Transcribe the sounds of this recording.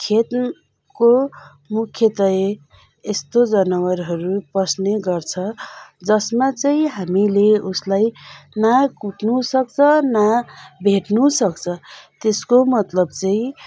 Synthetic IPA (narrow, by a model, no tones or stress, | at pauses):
kʰet̪ | ko | mukʰjʌt̪ʌeː | st̪od͡zʌnʌwʌɾɦʌɾuprʌsneɡʌrt͡sʰʌd͡zʌsmat͡sʌĩɦamileuslajnakuʈnusʌk̚t͡sʰʌnabʱeʈnusʌkt͡sʰʌt̪eskomʌt̪lʌbt͡sʌĩ